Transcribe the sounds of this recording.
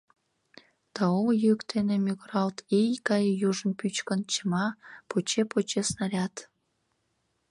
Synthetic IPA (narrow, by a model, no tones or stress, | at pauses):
t̪ɑomjəəkt̪ʰenemyɣrɑlt̪ejkɑjjuʒənpyt͡ɕkənt͡ɕəmɑpot͡ɕepot͡ɕesnɑɾʲɑt̪